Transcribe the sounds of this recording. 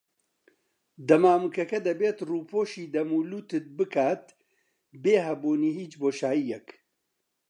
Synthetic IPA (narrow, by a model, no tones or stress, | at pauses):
d̪ɐmaːmɨkɐkɐd̪ɐbeːt̪ruːpʰoːʃiːd̪ɐmuːluːt̪ɨt̪̚bɨkʰaːt̪ | beːɦɐbuːniːɦiːt͡ʃboːʃaːjijɛk